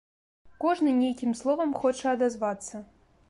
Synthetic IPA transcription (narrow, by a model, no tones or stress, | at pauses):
koʐnɨnʲejkʲimslˠɔvɐmxot͡ʃɛɐd̪azvɑt̪sɐ